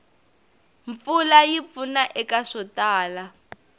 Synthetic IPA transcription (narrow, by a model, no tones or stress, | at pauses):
ɱp̪fulajip̪funaʔɛkaʂɔtaːla